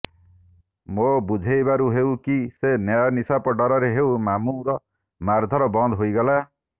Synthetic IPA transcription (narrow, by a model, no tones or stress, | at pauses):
mobud͡ʒʱejbaɾuɦewkisenjajɔnisapɔɖɔɾɔɾeɦewmamuɾɔ | maɾd̪ʱɔɾɔbɔnd̪ʱɦojɡɔla